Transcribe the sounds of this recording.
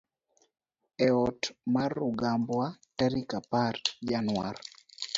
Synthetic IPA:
ɛɔtmarʊɡambwataɾikapard͡ʒanwar

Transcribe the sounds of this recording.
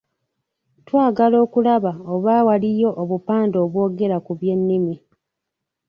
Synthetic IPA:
twaːɡalo̞ːkulaβaoβawalijo̞ʔoβupaːndo̞ːβwo̞ːɡe̞ɾakuβje̞nːimi

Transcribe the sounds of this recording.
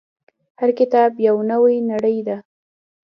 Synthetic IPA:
haɾkɪt̪ɑbjawnəwajnaɽəjd̪a

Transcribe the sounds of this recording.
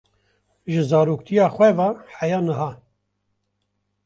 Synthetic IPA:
ʒɨzɑːɾuːkt̪ʰijɑːxʷwɛvɑːħajɑːnəɦɑː

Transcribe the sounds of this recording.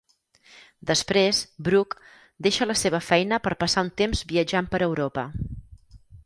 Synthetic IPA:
d̪əspɾezbɾuk | d̪eʃələseβ̞əfɛjnəpəɾpəsaunt̪emzbiəd͡ʒampəɾəwɾopə̰

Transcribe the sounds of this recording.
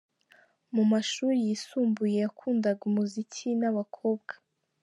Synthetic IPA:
mumaʃuːɾijisuːmbuje̞jakʰuːndaɡumuzicʰinaβakʰo̞ːbɡḁ

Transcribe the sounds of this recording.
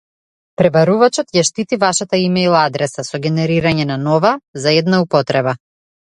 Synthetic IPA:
pɾɛbaɾuvat͡ʃɔt̪jaʃt̪it̪ivaʃat̪aimɛjlˠad̪ɾɛsasɔɡʲɛnɛɾiɾaɲɛnanɔvazaɛd̪naupɔt̪ɾɛba

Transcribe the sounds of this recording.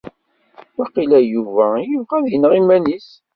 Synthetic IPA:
wæqilæjuvæjəvʁæðjənəʁimænis

